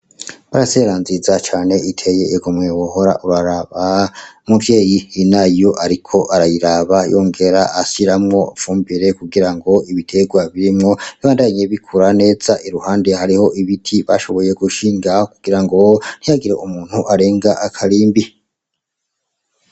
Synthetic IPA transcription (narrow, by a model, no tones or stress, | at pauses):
βaɾase̞ɾanzizat͡ʃaːne̞itʰe̞je̞ɡomŋewoɦo̞ɾa̰ʔuɾaɾaβamuvje̞ːjihinajoʔaɾikʰo̞ʔaɾajiɾaβajo̞ːŋɡe̞ɾaʔːsiɾamŋo̞fuːmbiɾe̞kuɡiɾaŋɡo̞iβitʰe̞ɡwaβiɾimŋo̞βiβaːndaɲe̞βikʰuɾane̞ːz̥aʔiɾuhaːndehaɾiho̞ʔiβitʰiβa̰ʃo̞βo̞je̞ɡuʃiːŋɡakuɡ̥iɾaŋɡo̞n̥hijaɡiɾe̞̰ʔumuːn̥huʔaɾe̞ːŋɡaʔakʰaliːmbi